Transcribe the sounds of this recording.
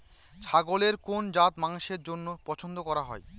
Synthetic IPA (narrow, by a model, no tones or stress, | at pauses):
t͡ɕʰaɡoleɾkond͡ʑat̪maŋʃeɾd͡ʑonːopɔt͡ɕʰond̪okɔɾaɦɔ̰e